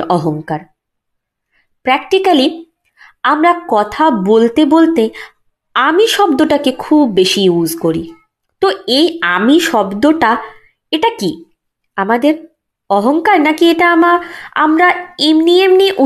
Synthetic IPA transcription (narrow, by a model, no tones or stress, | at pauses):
ɔɦoŋkaɾ | pɾɛk̚ʈikali | amɾakɔt̪ʰabolt̪ebolt̪e | amiʃɔb̚d̪oʈakekʰubːeʃiuzʱkoɾi | t̪oejamiʃɔbd̪oʈa | eʈaki | amad̪eɾ | ɔɦoŋkaɾnakieʈaamaa̰mɾaemniemniʔu